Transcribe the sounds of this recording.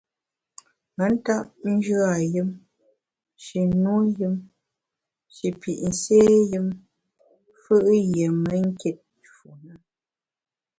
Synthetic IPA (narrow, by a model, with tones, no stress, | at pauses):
mə˨˦n̩˦ta˦ʔ̚n̩˦d͡ʒɰa˦˨jɨ˦m | ʃi˨nu˦jɨ˦m | ʃi˨pi˨ʔn̩˨seː˦jɨ˦m | fɨ˦ʔjə˨mə˦ŋ̩˦ke˦t̚ | fu˨nə˦